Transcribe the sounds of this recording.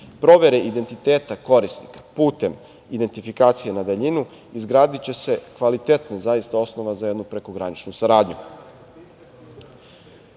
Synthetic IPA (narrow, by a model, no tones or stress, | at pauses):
pɾo̞ʋe̞ɾeʔid̪e̞nt̪it̪e̞ːt̪ako̞ɾisnḭkḁpuːt̪e̞m | id̪e̞nt̪ifikaːt̪sijenad̪eʎinu | izɡɾaːd̪it͡ɕe̞se̞kʋalit̪e̞t̪nezaist̪ao̞sno̞ʋazajed̪nupɾe̞ko̞ɡɾanit͡ʃnusaɾaːd̪ɲu